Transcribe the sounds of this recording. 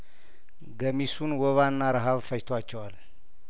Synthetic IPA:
ɡəmisunwɔβanːaɾəɦaβfəjt̪ʰwat͡ʃːɛwal

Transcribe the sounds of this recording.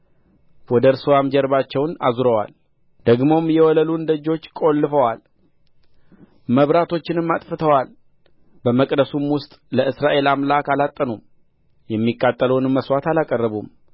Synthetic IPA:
wɔd̪əɾsɨwamd͡ʒɛɾbat͡ʃːɛwna̰zuɾəwa̰l | d̪̥əɡmo̞mjɛwɔləlund̪əd͡ʒo̞t͡ʃːkʼolːɨfəwal | məβɾat̪ʰo̞t͡ʃːɪnɨmːat̪ʼfɨt̪ʰəwal | bəməkʼd̪əsumwʊst̪ʼləɨsɾaʔe̞lamlakalat̪ʼːənum | jɛmːikʼːat̪ʼːələwnɨmːəswat̪alakʼərːəβum

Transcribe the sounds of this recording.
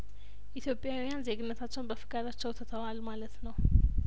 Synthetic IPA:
ʔit̪ʰjo̞pʼjawjanzeɡɨnːət̪ʰat͡ʃːɛwnbəfɨkʼad̪at͡ʃːɛwt̪ʰət̪ʰəwalmalət̪nəw

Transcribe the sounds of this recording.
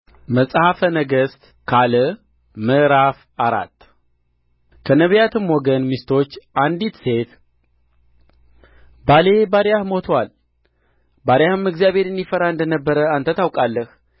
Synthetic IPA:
məsʼhafənəɡəst̪ | kʰalə | məɾaf | aɾa̰t̪ː | kʰənəβjat̪ʰɨmwɔɡənmist̪ʰo̞t͡ʃːʔand̪it̪se̞t̪ | bale̞baɾjahmo̞t̪ʰəwal | baɾjahɨmɨkzijaβe̞ɾɨnd̪ifəɾaɨnd̪ənəbːəɾəant̪ʰət̪ʰawkʼalːəh

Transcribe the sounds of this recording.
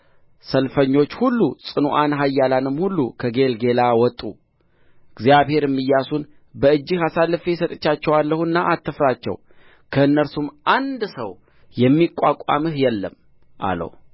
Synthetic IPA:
səlfəɲːo̞t͡ʃːhulːusʼɨnuʔanɦajːalanɨmːhulːṵkʰəɡe̞lɡe̞lawɔt̪ʼṵ | ɨɡzijaβhe̞ɾɛmːɨjːasun | bəɨd͡ʒːɪhasalːɨfsət̪ʼət͡ʃːat͡ʃːɛwalːəhuɨnːaʔat̪ʰːɨfɾat͡ʃːɛ̰w | kʰəɨnːəɾsumʔand̪sə̰w | jɛmːikʷʼːakʷʼa̰mɨhjɛlːə̰m | ʔa̰lə̰w

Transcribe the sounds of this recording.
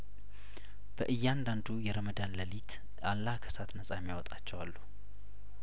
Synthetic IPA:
b̥əʔɨjːɛand̪and̪ujɛɾəməd̪anləlit̪ʰ | ʔalːakʰə̥sat̪nəsʼajmjawɔt̪ʼat͡ʃːɛwalːu

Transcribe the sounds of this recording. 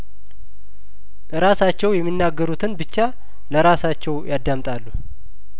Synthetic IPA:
ʔɨɾasat͡ʃːɛwjɛmːinːaɡːəɾut̪ʰɨnbɨt͡ʃːa | ləɾasat͡ʃːɛwjad̪ːamt̪ʼalːu

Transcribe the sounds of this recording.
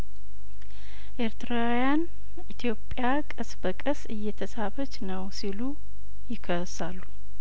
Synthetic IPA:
ʔe̞ɾt̪ʰɨɾawjan | it̪ʰjo̞pʼjakʼəsbəkʼəsɨjːɛt̪ʰəsaβət͡ʃːnəwsilu | jɪkʰəsalːu

